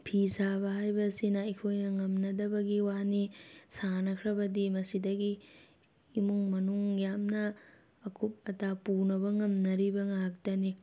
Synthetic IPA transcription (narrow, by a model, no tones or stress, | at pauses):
pʰisabɐɦajbɐsinɐikʰojnɐŋɐmnɐdɐbɐɡiwanisanɐkʰɾɐbɐdimɐsidɐɡiː | muŋmɐnuŋjamnɐː | kʰup̚ɐtapunɐbɐŋɐmnɐɾibɐŋaɦak̚tɐni